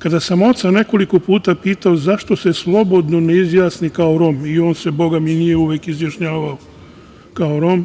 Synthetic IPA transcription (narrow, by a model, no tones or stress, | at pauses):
kad̪asamo̞t̪sane̞ko̞liko̞puːt̪apiːt̪aozaʃt̪o̞se̞slˠo̞bo̞d̪no̞neizjaːsnikaoɾo̞mio̞ːnsebo̞ɡaminijeuʋeːkizjaʃɲaːʋao | kaoɾo̞m